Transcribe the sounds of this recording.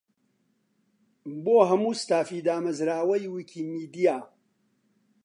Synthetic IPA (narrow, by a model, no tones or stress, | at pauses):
boːɦɐmuːst̪aːfiːd̪aːmɐzɾaːwɐjwikʰiːmiːd̪ijaː